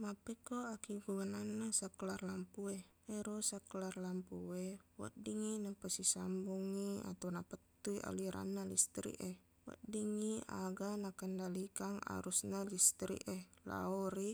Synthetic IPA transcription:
mapekoakiɡumananːasakəlarlampue | eɾosakəlarlampuewə̰diŋinapəsisambuŋia̰t̪awnapət̪ːuiʔa̰liɾʔa̰nːalḭst̪ɾḭʔe | wə̰diŋia̰ɡanakəndalikaŋa̰ɾusnalist̪ɾḭʔela̰oɾi

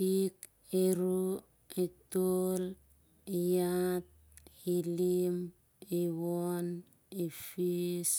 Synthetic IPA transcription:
ik | eɾu | etol | ejat̪̚ | hilim | ewon | efis

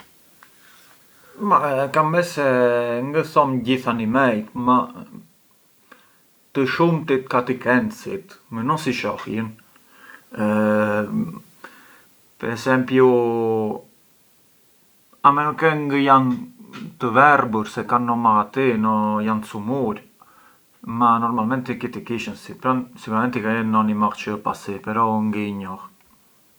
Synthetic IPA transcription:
makambɛsɛŋɡəθɔmɟiθanimɛjt̪ma | t̪əʃumt̪it̪̚kat̪ikɛnt̪sḭt̪mɛnɔsiʃɔhjən | pɛɾɛsɛmpju | amɛnukɛŋɡəjant̪əvɛrbuɾsɛkanːɔmaʁat̪inɔjant̪əsumuɾ | manɔɾmalmɛnt̪ikit̪ikiʃənsit̪̚pɾansikuɾamɛnt̪ikɛənːɔnimaʁt͡ʃəpasipɛɾɔŋɡiɲɔh

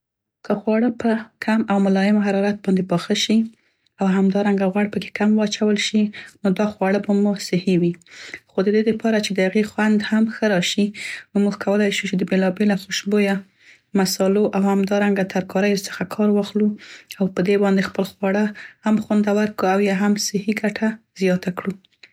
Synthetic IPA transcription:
kəxwɑɽəpəkʰamawmʊlɑjɪmɦaɾɑɾat̪̚bɑnd̪ebɑxəʃi | awɦamd̪ɑɾaŋɡaɣwaɽpəke̥kamwɑt͡ʃawəlʃinod̪ɑxwɑɽəbamosɪhiwixod̪əd̪ed̪əpʰɑɾat͡ʃed̪əhaɣexwand̪hamxəɾɑʃinomuɡkʰawəlajʃut͡ʃed̪əbelɑbelaxoʃboja | masɑloʔawhamd̪ɑɾaŋɡat̪ʰaɾkɑɾəjosə̥xakʰɑɾwɑxluawpəd̪ebɑnd̪expəlxwɑɽahamxwand̪awəɾkəawjɑɦamsɪhiɡaʈʰaz̥jɑt̪akɽu

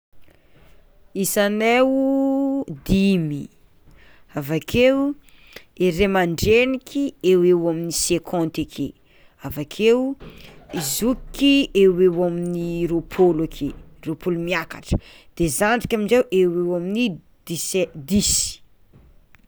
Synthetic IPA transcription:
isanewu | d̪imi | avakʰew | eɾemaɳɖ͡ʐenikʰiewewaminisekʰɔ̃nt̪ekʰḛ | avakʰew | izukiewewaminiɾopʰolakʰeropʰolumiaka̰ʈ͡ʂə̥ | d̪̥ezaɳɖ͡ʐikʲaminzewʔewewamini | d̪̥ised̪isi̥

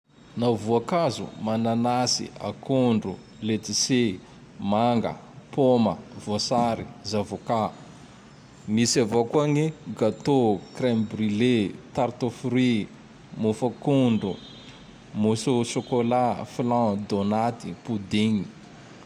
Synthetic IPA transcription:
navuakazṵmananasḭa̰kuɳɖ͡ʐu | let̪ise | maŋɡə̰ | poməvosaɾizavoka | misavokuaniɡat̪okrembrilet̪aɾt̪ofɾi | mufakuɳɖ͡ʐu | musosokolaflãd̪onat̪ipud̪iɲi

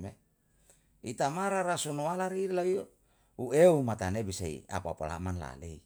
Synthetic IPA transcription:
me | it̪amaɾaɾasunualaɾilai | ueumat̪anebisaḭa̰pa̰pa̰la̰manla̰lei

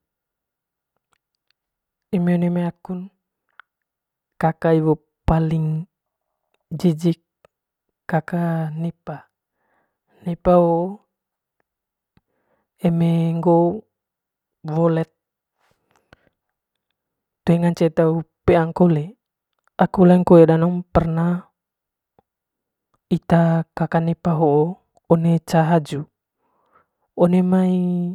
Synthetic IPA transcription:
emeonemeakun | kakaiβo | paliŋ | d͡ʒid͡ʒikː | akanipa | nipao | emeŋɡo | wɔlɛt̪̚ | t̪ueŋaɲt͡ʃet̪aupeaŋkole | akulaŋkoedanɔŋpɛrna | it̪akakanepaɦoo | ɔnet͡ʃaɦad͡ʒu | ɔnemai

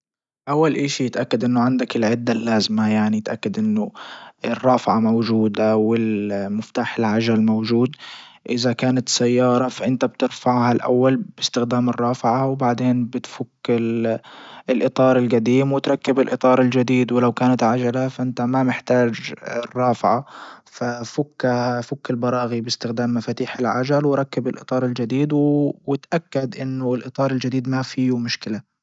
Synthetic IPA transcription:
ʔawːalʔiːʃijɪt̪ʔakːad̪ʔɪnːʊʕand̪akɪlʕɪd̪ːalːaːzmajaʕnijɪt̪ʔakːad̪ʔɪnːʊɪrˤːɑːfʕamawd͡ʒuːd̪awɪlmɪft̪aːħɪlʕad͡ʒalmowd͡ʒuːd̪ | ʔɪzakaːnat̪sajːɑːɾˤɑfaʔɪnt̪ab̚t̪ɪɾfaʕhalʔa̰wːalbɪst̪ɪxd̪aːmɪrˤːɑːfɪʕawbaʕd̪eːnbɪt̪fʊkːɪl | ɪlʔɨt̪ˤɑːɾˤɪlɡad̪iːmwɪt̪ɾˤɑkːɪbɪlʔɨt̪ˤɑːɾˤɪld͡ʒad̪iːd̪wɪlawkaːnat̪ʕad͡ʒalafaʔɪnt̪amamɪħt̪aːd͡ʒɪrˤːɑːfʕafafʊkːahfʊkːɪlbɑɾˤɑːɣibɪst̪ɪxd̪aːmːafaːt̪iːħɪlʕad͡ʒalwɪɾˤɑkːabɪlʔɨ̰t̪ˤɑːɾˤɪld͡ʒad̪iːd̪wwɪt̪ʔakːad̪ʔɪnːʊɪlʔɨt̪ˤɑːɾˤɪld͡ʒɪd̪iːd̪mafiːmʊʃkɪla

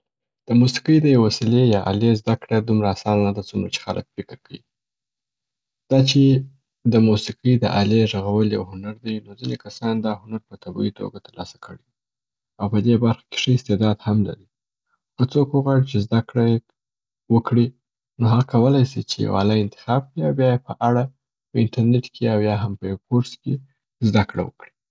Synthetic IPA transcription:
d̪̥əmusi̥qəjd̪əjawwasilejɑʔa̰lezd̪akɽad̪umɾaːsɑnanad̪at͡sumɾat͡ʃe̥xalʔə̰k̚fɪkɪɾkawḭ | d̪̥ɑt͡ʃe | d̪əmusiqəjd̪əʔaleʒaɣawəljawhʊnaɾd̪ajnozinekasɑnd̪ɑhʊnaɾpət̪abɑ̰it̪ʰo̰ɡat̪əɾlɑ̰sḁkʰəɽei | awpəd̪ebaɾxḁke̥ʂəɪst̪ed̪ɑd̪hamla̰ɾi | kət͡sokuɣwaɽit͡ʃezd̪akɽa | wəkɽi | noɦaɣakawəlajsit͡ʃeja̰wa̰laɪnt̪ɪ̥xɑb̥̚kɽiawbjɑjepəʔaɽa | pəɪnʈaɾneʈkʰeawjɑɦampəjawpoɾske | zd̪akɽa̰wə̰kɽi

